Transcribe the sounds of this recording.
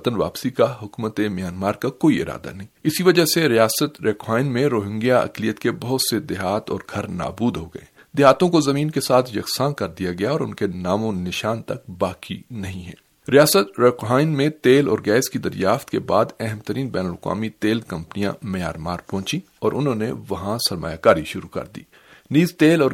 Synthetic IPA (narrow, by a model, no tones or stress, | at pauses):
t̪ənʋa̰ːpsikaɦʊkuːmət̪emjaːnmaːɾkakoːiɪ̰ɾa̰ːd̪a̰nɐɦĩɪsiʋɐd͡ʒaɦseɾijaːsət̪ɾeːkɦaːɪnmẽɾoːɦɪ̃ŋɡijaɐ̰klijət̪kebɐɦʊt̪sed̪ɪɦaːt̪ɔ̰ːɾɡʰʱɐɾna̰ːbuːd̪ɦoɡɐ̰ḛː | d̪ɪɦaːt̪õkozɐmiːnkesaːt̪ʰjɐksãːkɐɾd̪ijaɡɐjaɔːɾʊ̰nkenaːmõnɪʃaːnt̪ɐk̚baːkinɐɦĩɦɛ̰̃ː | ɾijaːsət̪ɾeːkɦaːɪnmẽt̪eːlɔːɾɡɛːskid̪ɐɾjaːft̪kebaːd̪ɛɦɛmt̪əɾiːnbɛːnəlkwa̰ːmit̪eːlkɐ̃mpnijã̰mɐja̰ːɾmaːɾpɔ̃ːt͡ʃi | ɔːɾʔʊnɦõneʋɐɦãsɐɾma̰ːjakaːɾiʃʊɾukɐ̰ɾd̪ḭː | niːzt̪eːlɔː